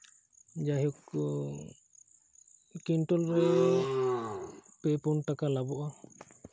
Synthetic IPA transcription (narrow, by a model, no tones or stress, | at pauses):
d͡ʒaɦjɔk | kinʈɔlɾɛ | pɛpɔnʈakalabɔʔa